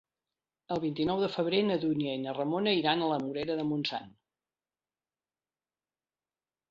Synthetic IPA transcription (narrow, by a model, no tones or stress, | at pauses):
əlˠβ̞int̪inɔwðəfəβ̞ɾenəðuniənərəmonəiɾanələmuɾɛɾəðəmunsa̰n